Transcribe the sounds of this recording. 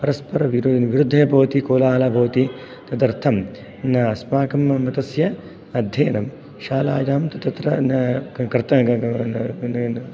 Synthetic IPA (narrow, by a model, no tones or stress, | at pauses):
pɐɾɐspɐɾɐʋiɾʋiɾud̪ʱːɐjɐbʱɐʋt̪ikoːlaːlɐbʱɐːɐt̪i | t̪ɐd̪ɐɾt̪ʰɐm | nɐɐsmaːkɐmːɐt̪ɐsjɐ | ɐd̪ʱjeːnɐm | ʃaːla̰ːjaːmt̪ɐt̪ɐt̪ɾɐnkɾt̪ɐ